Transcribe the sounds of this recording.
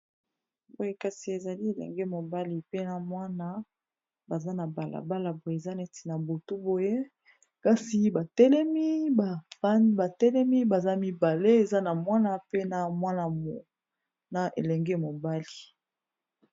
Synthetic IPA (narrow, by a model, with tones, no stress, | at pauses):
bo˨je˦ka˨si˨e˨za˨li˦e˨lɛ̰˨ŋɡɛ˦mo˨ba˦li˨pe˦na˨mwa˦na˦ | ba˨za˦na˨ba˨la̰˨ba˦la˨bo˨je˨e˨za˦ne˨ti̥˨na˨bo˨tu˦bo˨je˦ | ka˦si˨ba˨tɛ˦lɛ˦mi˦ba˨˦ba˨tɛ˦lɛ˦mi˦ba˨za˦mi˨ba˨le˦e˨za˦na˨mwa˦na˦pe˦na˨mwa˦na˨mo˨ | na˨ʔḛ˨lɛ˨ŋɡɛ˦mo˨ba˦li˨